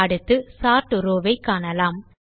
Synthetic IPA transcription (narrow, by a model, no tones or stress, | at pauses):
ɐɽɯt̪ːɯsaːɾʈɯɾoːʋɐɪkːaːnɐlaːm